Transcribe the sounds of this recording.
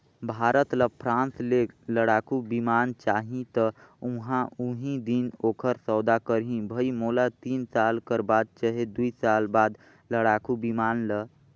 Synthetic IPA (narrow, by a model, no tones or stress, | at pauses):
bʱaːɾət̪ləpʰɾãnsleləɽakubimaːnt͡ʃaɦĩt̪əuɦãʔuɦĩd̪inoːkʰəɾsɔːd̪akəɾɦĩbʱəimolat̪iːnsalkəɾbaːd̪̚t͡ʃəɦed̪uisalbad̪ | ləɽakubimaːnlə